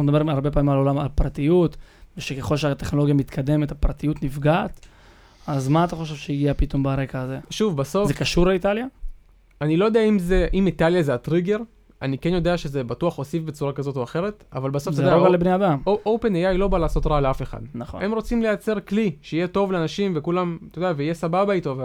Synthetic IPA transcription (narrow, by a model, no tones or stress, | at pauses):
naunedabe̞ʁaʁbe̞paːmimalo̞lamalpʁat̪ijut̪veʃekeχo̞lʃeat̪e̞χno̞lo̞ɡjamit̪kʰad̪e̞me̞t̪apʁat̪ijut̪nifɡaːt̪ | azmaːt̪aχo̞ʃ̬e̞vʃeiɡiapit̪o̞mbaʁe̞kaːze̞ʃuvbasozekaʃuʁleitalja | anilojo̞deaimzeʔimitaljazeat̪ʁiɡe̞ʁ | anikenjo̞d̪e̞aʃe̞ze̞batuɐχo̞sifbet͡suʁakazo̞toaχe̞ʁet̪avalbasofzjdaoɡalebnead̪amoʔowpe̞nejajlo̞balaːso̞t̪ʁaleafe̞χa̰d̪naχo̰e̞mʁo̞t͡simlejat͡se̞ʁkliʃeijeto̞vleanaʃimvekulamt̪od̪eaveijesababaitova